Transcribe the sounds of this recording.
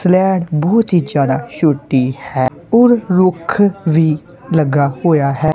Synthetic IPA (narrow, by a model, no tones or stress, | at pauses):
slɛːɽbɔːt̪ɦiːd͡ʒjaːd̪aːʃʊʈːiːhɛː | ɔɾɾʊkʰʋiː | ləɡːaːhoːjaːɦɛː